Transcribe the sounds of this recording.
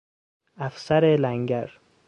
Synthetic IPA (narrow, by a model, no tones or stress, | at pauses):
æfsæɾelæŋɡæɾ